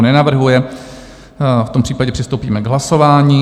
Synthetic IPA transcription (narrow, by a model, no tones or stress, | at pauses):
nɛnavr̩ɦujɛ | ft̪o̞mpr̝̥iːpaɟɛpr̝ɪst̪owpiːmɛɡɦlaso̞vaːɲiː